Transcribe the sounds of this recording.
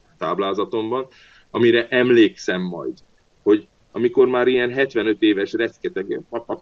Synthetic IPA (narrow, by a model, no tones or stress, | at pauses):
t̪aːblaːzɒt̪o̞mbɒn | ɒmiɾɛʔɛmleːksɛmːɒ̰jd̪ | ho̞ɟ | ɒmiko̞rmaːɾijɛnɦɛt̪ʋɛnøt̪eːvɛʃrɛt̪skɛt̪ɛɡpɒtɒk